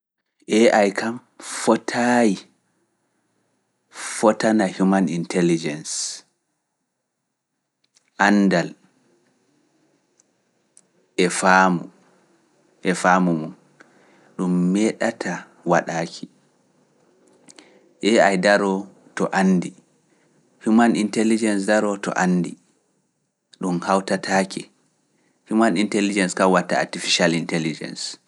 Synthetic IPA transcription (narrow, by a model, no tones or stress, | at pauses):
ʔɛʔajkʰam | fɔtʰaji | fɔtanahumanintɛlid͡ʒɛns | ʔandal | ʔɛfamu | ʔɛfaːmumɔn | ɗumːɛɗatʰa | waɗaːkʰi̥ | ʔɛajdaɾɔ | tɔʔandi | fimanintɛlid͡ʒɛnsdaɾɔtɔ̰ʔanːdi | ɗumhawtatʰaːki | fimanintɛlid͡ʒɛnskawatːaa̰tifiʃalintɛlid͡ʒɛ̰ns